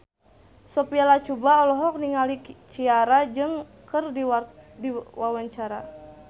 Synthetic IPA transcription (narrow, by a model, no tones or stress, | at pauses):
sɔpialat͡ʃubaɔlɔɦɔk̚niŋalit͡ʃiaɾad͡ʒɨŋkɨrdidiwawaɲt͡ʃaɾa̰